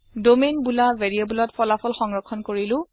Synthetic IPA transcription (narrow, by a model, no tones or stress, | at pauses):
domenbulavɛɹijobulɔtpʰɔlapʰɔlxɔŋɹɔkʰːɔnkoɹilʊ̃